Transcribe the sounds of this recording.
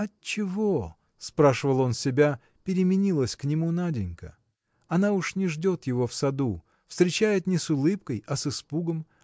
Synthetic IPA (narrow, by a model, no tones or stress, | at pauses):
ɐtt͡ɕɪvo | spɾaʂɨvəlˠo̞nsʲɪbʲa | pʲɪɾʲɪmʲɪnʲilˠəsʲknʲɪmunadʲɪnʲkə̰ | ɐnauʂnʲɪʐdʲo̞t̪jɪvo̞fsɐd̪u | fst̪ɾʲɪt͡ɕæjɪt̪nʲɪsʊlˠɨp̚kəjɐsɨspuɡəm